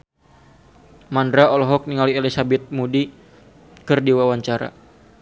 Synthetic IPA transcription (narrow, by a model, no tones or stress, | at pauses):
mandɾaɔlɔɦɔk̚niŋaliɛlisabɛt̪̚mudi | kɨrdiwawaɲt͡ʃaɾa̰